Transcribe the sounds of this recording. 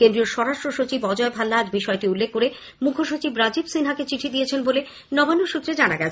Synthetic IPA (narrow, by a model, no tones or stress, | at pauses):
kend̪ɾioɾʃɔɾaʃʈɾoʃot͡ɕibɔd͡ʑɔebʱalːaad͡ʑbiʃɔeʈiulːekʰːoɾe | mukʰoʃot͡ɕibɾad͡ʑibsinɦaket͡ɕiʈʰid̪ijet͡ɕʰenbole | nɔbanːoʃut̪ːɾed͡ʑanaɡɛt͡ɕʰ